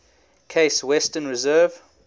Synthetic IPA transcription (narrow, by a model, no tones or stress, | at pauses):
kʰeɪswɛstənɹɪzɜːv̥